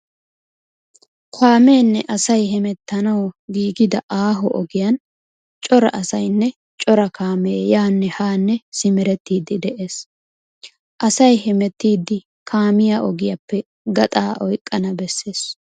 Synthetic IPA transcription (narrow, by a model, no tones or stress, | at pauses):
kʰaːmeːnːɛʔɐsɐjɦɛmɛt̪ːɐnɐwɔɡiːɡɪd̪ɐʔaːɦɔʔɔɡɪjɐn | t͡ʃʼɔɾɐ̰ʔɐsɐjnːɛ | t͡ʃʼɔɾɐkʰaːmeːjaːnːɛhaːnːɛsɪmɛɾɛt̪ːiːd̪ɪd̪ɛʔe̞ːs | ʔɐsɐjhɛmɛt̪ːiːd̪ːɪ | kʰaːmɪjaʔɔɡɪjɐpːɛ | ɡɐt̪ʼaːʔɔjkʼːɐnɐbɛsːe̞ːs